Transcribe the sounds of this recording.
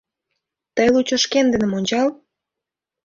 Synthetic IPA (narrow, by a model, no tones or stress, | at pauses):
t̪əjlut͡ɕŏʃkend̪ə̆nə̆monʲt͡ɕɑl